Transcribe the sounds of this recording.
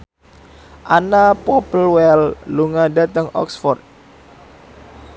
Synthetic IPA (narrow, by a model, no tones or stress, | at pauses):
ʔanapɔpəlwɛlluŋadat̪əŋɔ̰ksfɔrt̪̚